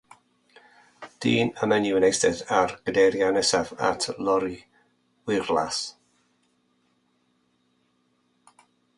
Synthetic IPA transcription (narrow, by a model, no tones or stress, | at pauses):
d̥iːnəmɛniwənejsdɛðarɡ̥ədɛɾjanɛsava̰tʰlˠɔɾi | wɪrla̰s